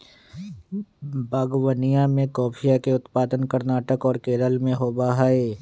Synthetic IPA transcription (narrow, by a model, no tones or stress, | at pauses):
baːɡwənijãmẽkɔːpʰijakeʊt̪paːd̪ənkəɾnaːʈəkɔːɾkeːɾəlmẽɦoːbaːɦaːeː